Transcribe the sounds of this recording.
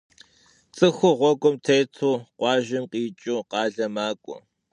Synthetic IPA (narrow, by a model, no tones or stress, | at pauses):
t͡sʼɨxʷʊʁʷɔkʷʼʊmtʰeːjtʰuːqʷɑːʒɪmqiːt͡ʃʼʊːqɑːɮɐmaːkʷʼɔ̰